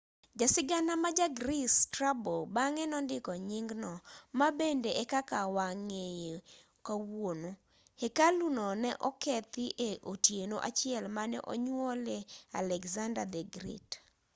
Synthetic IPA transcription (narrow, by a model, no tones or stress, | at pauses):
d͡ʒasɪɡanamad͡ʒaɡɾistɾabobaŋɛnɔndɪkɔɲɪŋɡnɔmabendeʔekakawaŋeje | kawono | hekalunɔnɛʔɔkɛt̪ɪʔeʔotjenoʔa̰t͡ʃɪɛlmanɛ̰ʔo̰ɲwɔlea̰lɛkzandadɛɡɾḭt